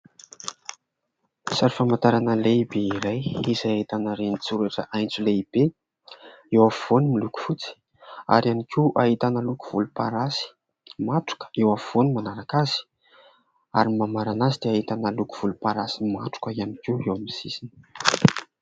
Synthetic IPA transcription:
saɾifamant̪aɾanəleibeiɾajizajaɦit̪anəɾenit͡suɾaʈ͡ʂə̰ʔajnt͡suleib̥e | ewafuvonimiluku̥fut͡si̥ | a̰ɾianikʲʰiʔaɦit̪anəluku̥v̥ulupaɾasi̥ | maʈ͡ʂu̥kə̥ewafuvonmanaɾakaz̥i̥ | a̰ɾimamaɾanazid̪̥eaɦit̪anəluku̥v̥ulupaɾasima̰ʈ͡ʂu̥kəianikiewamisisin

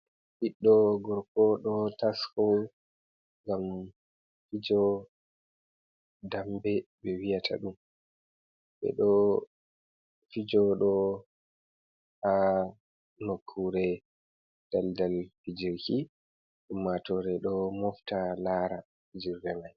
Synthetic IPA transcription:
hiɗːɔɡɔɾkɔɗɔtasfɔ | ŋɡam | fid͡ʒɔ | dambɛbɛwijatʰa̰ɗum | bɛ̰ɗɔ | fid͡ʒɔɗɔ | ha | nokʰːuɾɛ | d̥aldalfid͡ʒiɾki | ɗumːatɔɾɛɗɔmɔftanaːɾa | fid͡ʒiɾːɛmaj

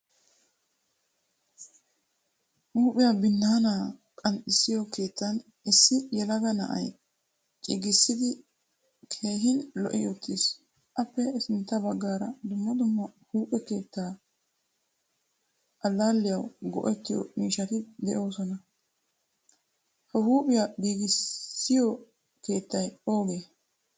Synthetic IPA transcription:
huːpʼɪjabɪnːaːnaːkʼɐnɪsːɪjɔke̞ːt̪ːɐn | ɪsːɪjɛlɐɡɐnɐ̰ʔɐ̰j | t͡ʃʼɪɡɪsːɪd̪ɪ | kʰe̞ːɦɪnlɔ̰ʔɪjɔt̪ːis | ʔɐpːɛɪsɪnt̪ːɐbɐɡːaːɾɐd̪ʊmːɐd̪ʊmːɐhuːpʼɛke̞ːt̪ːaː | ʔɐlːaːlːɪjɐwɡɔ̰ʔɛt̪ːɪjɔ̰miːʃɐt̪ɪd̪ɛʔo̞ːsɔnɐ | hɐhuːpʼɪjaɡiːɡɪsːɪjɔ | ke̞ːt̪ːɐjo̞ːɡeː

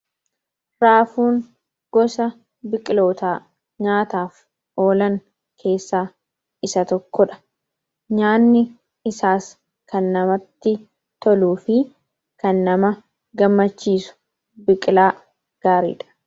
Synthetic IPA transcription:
ɾaːfuːŋ | ɡ̥ɔsɐ | bɪkʼɪlo̞ːt̪aː | ɲaːt̪aːf | o̞ːlɐŋ | kʰe̞ːsːaː | ɪsɐt̪ɔkːɔᶑɐ̥ | ɲaːnːɪ | ɪsaːs | kʰɐnːɐmɐt̪ːɪ | t̪ɔluːfɪ | kɐnːɐmɐ | ɡɐmːɐt͡ʃːiːsʊ̥ | bɪkʼɪlaː | ɡ̥aːɾḭːᶑɐ̥

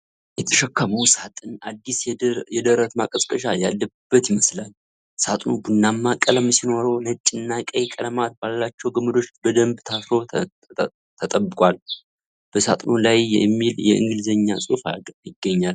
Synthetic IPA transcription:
jɛt̪ʰə̥ʃəkːaməwsat̪ʼɨnad̪ːisjɛd̪əɾət̪makʼəsʼkʼəʃ̬ajalːəb̥ːət̪jɪməslal | sat̪ʼnubunːamːakʼələmsino̞ɾəwnət͡ʃʼːɪnːakʼəjkʼələmat̪̚balːat͡ʃːɛwɡəmːəd̪o̞t͡ʃbəd̪əmbt̪ʰasɾo̞ | t̪ʰət̪ʼəbɨkʼwal | b̥əsa̰t̪ʼnolajɛmːiljɛɨ̰ŋɡɨlzəɲːasʼufa̰jɪɡːəɲːal

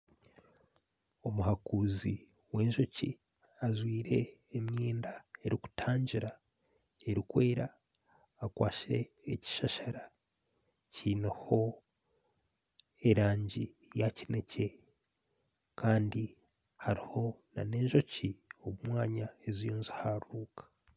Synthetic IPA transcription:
o̞muhakuːzi | we̞ːɲʒo̞cḭ | azwiːɾe̞ːmɲeːndae̞ɾiku̥tʰaːɲɟiɾa | e̞ɾikwe̞ːɾaː | kwaːʃiɾe̞ːci̥ʃaʃaɾa | ciːneho̞ | e̞ɾaːɲɟi | jacine̞ce̞ | kaːndi | haɾiho̞na̰ne̞ːɲʒo̞cioβumwaːɲaezijoːnzihaɾuːkḁ

